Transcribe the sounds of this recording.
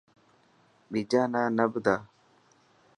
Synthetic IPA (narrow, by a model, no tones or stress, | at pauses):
ɓid͡ʒaːnaːnəbd̪aː